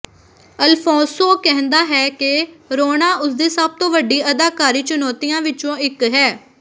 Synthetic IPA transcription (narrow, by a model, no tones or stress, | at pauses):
əlpʰɔ̃ːsoːkɛɦə̃nd̪aːɦɛːkɪɾoːnaːʊsd̪iːsəb̚t̪õːʋəɖiːəd̪aːkaːɾiːt͡ʃʊnɔːt̪ijãːʋɪt͡ʃõːɪkɦɛː